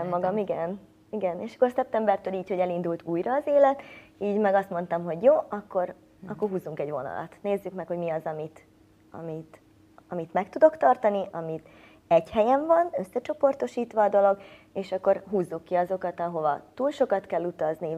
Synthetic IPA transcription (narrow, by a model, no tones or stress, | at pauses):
ɛmːɒɡɒmiɡɛn | iɡɛneːʃɒ̥kːorsɛp̚t̪ɛmbɛrt̪øːliːcho̞ɟɛlind̪ult̪uːjɾɒːzeːlɛt̪iːɟmɛɡɒst̪mo̞n̪t̪ɒmɦo̞ɟjoːʔɒkːo̞ɾ | ɒkkːo̞rɦuːzuŋkɛɟʋo̞̰nɒ̰lɒ̰t̪neːzːykmɛkho̞ɟmiɒzɒmit̪ | ɒ̰mit̪ | ɒmit̪mɛkt̪ud̪o̞kt̪ɒrt̪ɒniʔɒmit̪ | ɛɟhɛjɛɱvɒnø̞sːɛt͡ʃo̞po̞rt̪o̞ʃiːt̪ʋɒːd̪o̞lo̞ɡ | eːʃɒkːo̞rɦuːzːukːiɒzo̞kɒt̪ɒɦo̞vɒ̰t̪uːlʃo̞kɒt̪kɛlːut̪ɒzni